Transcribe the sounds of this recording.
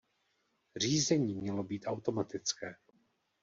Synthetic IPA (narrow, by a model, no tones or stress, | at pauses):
r̝iːzɛɲiːmɲɛlo̞biːt̪ʔawt̪o̞mat̪ɪt͡skɛː